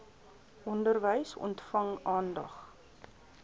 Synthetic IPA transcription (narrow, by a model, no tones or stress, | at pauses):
ʔɔndərvəjsɔ̰ntfɐŋɑːndɐχ